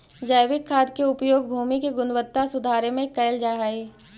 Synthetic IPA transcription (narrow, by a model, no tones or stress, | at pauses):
d͡ʒəjʋɪkʰːaːd̪keʊpjoːɡ̚bʱuːmikeɡʊnwət̪ːasʊd̪ʱaːɾemẽkɐɪld͡ʒaːɦaeː